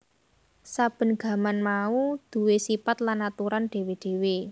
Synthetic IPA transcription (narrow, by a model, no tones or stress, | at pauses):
sab̥ə̤nɡ̥ä̤manmaud̪̥ṳwesipat̪lanat̪uɾanɖ̪̥e̤weɖ̪̥e̤we